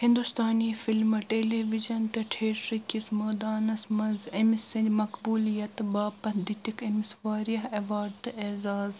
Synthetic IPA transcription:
hɪ̃nd̪ust̪aːniːfɪlmɨʈeːleːʋid͡ʒɐnt̪ɐʈʰeːʈɾikismɐːd̪aːnɐsmɐzemisɐnd͡ʒmɐkbuːlijɐt̪baːpɐd̪it̪ikemisʋaːɾijɐɦɐʋaːɾt̪ɨeːzaːz

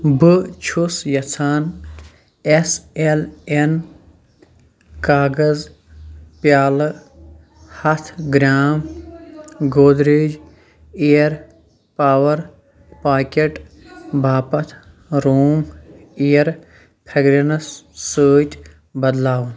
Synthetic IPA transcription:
bɨt͡ʃʰusjɐt͡sʰaːn | eselen | kaːɡɐz | pjaːlɨ | hɐt̪ʰɡɾʲaːm | ɡoːd̪ɾeːd͡ʒ | ejɐɾ | paːʋɐɾ | paːkeʈ | bʱaːpɐt̪ʰ | ɾoːm | ejɐɾ | pʰɐɡɾenɐsːəːt̪ | bɐd̪laːwɐn

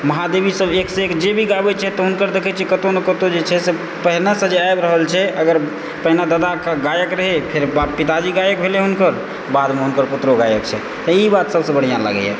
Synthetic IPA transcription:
məɦad̪ebisəbekseekd͡ʒebʱiɡabɛt͡ʃʰɛt̪ɔɦunkəɾd̪ekʰɛt͡ʃʰɛkət̪onəkət̪od͡ʒet͡ʃʰɛse | pəɦnasə̃d͡ʒeajbɾəɦəlt͡ʃʰɛʔəɡəɾ | pəɦnad̪əd̪akəɡajəkɾəɦepʰeɾbapit̪ad͡ʒiɡajək̚bʱeleɦunkəɾ | bad̪meɦunkəɾput̪ɾoɡajəkt͡ʃʰɛ̰ | t̪ɔibat̪səbsə̃bəɽ̤ijãlə̰ɡɛ̰ɛ̰

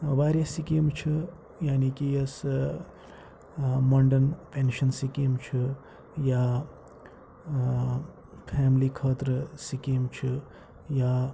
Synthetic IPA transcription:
baːɾasikeːmt͡ʃʰi | jaːnikiɐs | mɐɳɖənpenʃɐnsikimt͡ʃʰi | ja | pʰɛːmlikʰaːt̪ɾəsikiːmt͡ʃʰi | ja

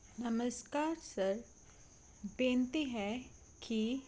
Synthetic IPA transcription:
nɐməskaːɾsɐɾ | bẽːnt̪iɦɛ | ki

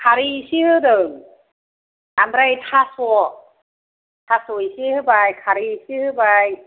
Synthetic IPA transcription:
kʰaɾisɯhɯdɯːŋ | ʔamɾajt̪ʰasu | t̪ʰasujsɯhɯbajkʰaɾisɯhɯbaj

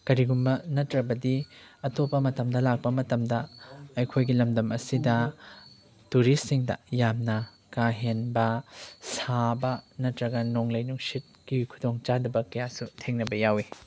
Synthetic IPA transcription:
kɐɾiɡumbɐnɐtɾɐbɐdiɐtopːɐmɐtɐmdɐlak̚pɐmɐtɐmdɐɐjkʰojɡilɐmdɐmɐsidɐ | tuɾistːiŋdɐ̰jamnɐ | kaɦenbɐsabɐnɐtɾɐɡɐnoŋlɐjnuŋsit̚kiujkʰu̥doŋt͡ʃadɐbɐkɐjasutʰeŋnɐbɐjawi

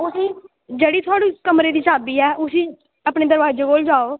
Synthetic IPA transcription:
ʊsiː | d͡ʒeːɽiːt̪ʰʊaːɽiːkəmɾeːd̪iːt͡ʃaːbiːɛːʔʊsiː | apɳeːd̪əɾʋaːd͡ʒeːboːld͡ʒaːoː

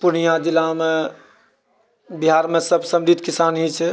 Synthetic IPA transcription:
punijãd̪ilame | biɦaɾmesəbsəmɾit̪kisanɦit͡ʃʰɛ

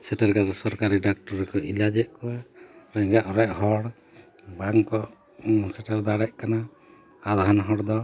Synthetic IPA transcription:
sɛʈɛɾkaɾɛsɔɾkaɾiɖak̚ʈɔɾːɛkɔʔilad͡ʒɛʔ̪̚kɔwaɾɛɡaʔɔɾɛʔɦɔɽ | baŋkɔ | sɛʈɛɾd̪aɽɛʔkana | ad̪aɦanɦɔɽd̪ɔ

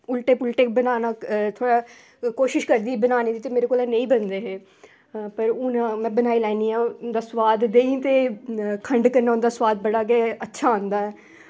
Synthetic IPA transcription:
ʊlʈeːpʊlʈeːkbənaːnaːt̪ʰoːɽaː | koːʃɪʃkəɾd̪iːbənaːniːd̪iːt̪eːmeːɾeːkoːlɛːnə̃ĩːbənd̪eːɦeː | pəɾʊnãːmɛ̃ːbənaːiːlɛːniːãːnd̪aːsʊʋaːd̪d̪eːĩt̪eːkʰəɳɖkəɾnaːʊnd̪aːsʋaːd̪bəɽaːk̬eətːʃʰaːə̃nd̪aːɛː

